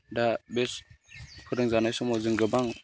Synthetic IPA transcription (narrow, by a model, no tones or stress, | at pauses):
dabeskəɾəŋzanasumoziŋɡəbaŋ